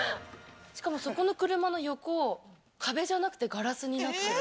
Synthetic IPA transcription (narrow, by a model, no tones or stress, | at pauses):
ɕi̥kamo̞so̞ko̞no̞kɯ̟ɾɯ̟mano̞jo̞ko̞ | kʰabe̞ʑanakɯ̥t̪e̞ɡaɾasɨɲ̟inae